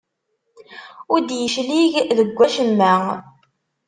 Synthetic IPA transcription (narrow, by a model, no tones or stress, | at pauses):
ʊɾd̪jəʃliʝðəɡʷːæʃəmːæ